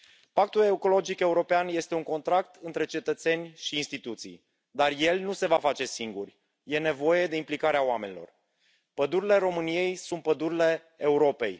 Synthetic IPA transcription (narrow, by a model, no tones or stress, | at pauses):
pak̚t̪uleuko̞lo̞d͡ʒike̞uɾo̞peanje̞st̪e̞uŋko̞nt̪ɾakt̪ɨnt̪ɾe̞t͡ʃe̞t̪ət̪se̞nʲʃiːnst̪it̪ut̪sḭj | d̪arje̞lnuse̞vafat͡ʃe̞siŋɡurʲ | je̞ne̞vo̞je̞d̪eimplikaɾeawame̞nʲilo̞̰r | pəd̪uɾile̞ɾo̞mɨnije̞jsunt̪̚pəd̪uɾile̞ | euɾo̞pe̞j